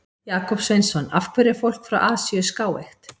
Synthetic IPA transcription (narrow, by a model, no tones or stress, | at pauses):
jaːkɔpsvejnsɔna̰fkʰvɛɾɪfowl̥kfɾa̰wʔaːsiʏskaːwḛxt̪